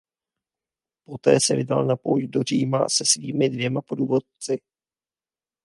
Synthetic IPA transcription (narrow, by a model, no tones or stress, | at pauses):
po̞t̪ɛ̰ːsɛvɪdalnapowjdo̞r̝iːma̰sɛsviːmɪdvjɛmapoduːvot̪̚t͡sɪ